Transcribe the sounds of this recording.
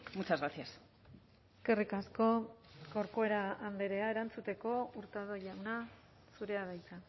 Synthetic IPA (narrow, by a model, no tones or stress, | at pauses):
mut͡ʃazɣɾasias | eske̞rikasko̞ɡoɾkoe̞ɾaand̪e̞ɾe̞ae̞ɾant͡sut̪e̞ko̞uɾt̪aðo̞ʎawna | suɾe̞aβajt͡sa